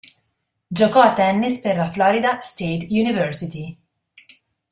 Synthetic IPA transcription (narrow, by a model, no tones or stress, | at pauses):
d͡ʒokɔat̪ːɛnːisperlaflɔːɾid̪ast̪eːt̪junivɛɾsit̪i